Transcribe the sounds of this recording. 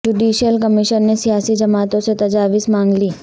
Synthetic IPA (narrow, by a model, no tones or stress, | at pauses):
d͡ʒuːɖiːʃijəlkɐmɪʃənːesijaːsid͡ʒɐmaːt̪õset̪ɐd͡ʒaːʋɪsmãːŋɡliː